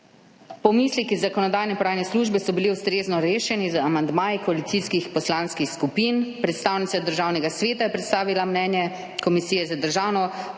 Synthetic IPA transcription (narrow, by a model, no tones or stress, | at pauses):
pɔmislikizːakɔnɔd̪aːjnɛpɔɾaːjnɛsluːʒbɛsɔbiliust̪ɾeːznɔɾeːʃɛnizəamand̪maːjikɔalit̪iskixpɔslanskixskupinpɾɛt̪st̪aːwnit̪sad̪əɾʒaːwnɛɡasʋeːt̪ajɛpɾɛt̪st̪aːʋilamnɛːnjɛ | kɔmisiːjɛzad̪əɾʒaːwnɔ